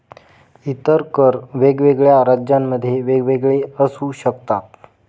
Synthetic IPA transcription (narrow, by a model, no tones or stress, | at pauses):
it̪əɾkəɾʋeɡʋeɡɭjaɾəd͡ʑjamːəd̪ʱːjeʋeɡʋeɡɭeəsuːɕəkt̪at̪̚